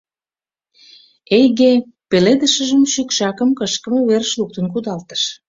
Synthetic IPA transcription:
ejɣe | peled̪əʃə̆ʒəmʃykʃɑkəmkəʃkə̆meβerəʃluk̚t̪ə̆nkud̪ɑlt̪ə̥ʃ

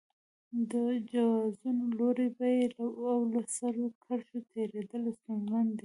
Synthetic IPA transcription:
d̪əd͡ʒawɑzunoloɾebajelaawlasaɾokʰaɾʃot̪ʰeɾed̪əlosaŋɡand̪i

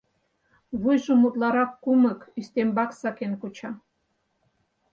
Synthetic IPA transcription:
βujʒŏmut̪lɑɾɑkːumə̆kyst̪embɑksɑkenkut͡ɕɑ

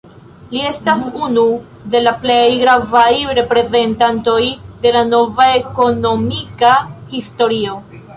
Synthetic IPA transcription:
lie̞stasunu | de̞laplejɡɾavajɾe̞pɾe̞ze̞ntanto̞jde̞lano̞vae̞ko̞no̞mikahisto̞ɾio̞

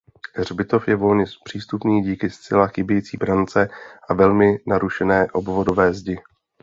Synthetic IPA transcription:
r̝bɪt̪o̞fjɛvo̞lɲɛspr̝̥iːst̪upniːɟiːkɪst͡sɛlaxɪbjɛjiːt͡siːbɾant͡sɛʔavɛlmɪnaɾuʃɛnɛːʔo̞bvo̞do̞vɛːzɟɪ

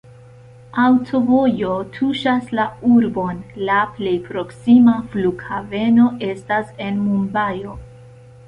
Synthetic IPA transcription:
awtʰo̞vo̞jo̞tʰuʃaslauɾbo̞nlaple̞jpɾo̞ksimafluɡhave̞no̞ʔe̞stase̞nmumbajo̞

